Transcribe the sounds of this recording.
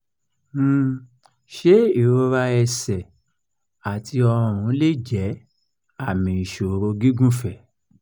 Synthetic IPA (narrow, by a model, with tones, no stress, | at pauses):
ʃe˨˦i˦˨ɾo˧ɾa˧ɛ˧sɛ˨ | a˨tʰi˧ɔ˧ɾ̃ũ˨˧˦le˦d͡ʒɛ˨˦ | a˦˨mĩ˨ʃo˨ɾo˧ɡi˦ɡũ˦fɛ˦˨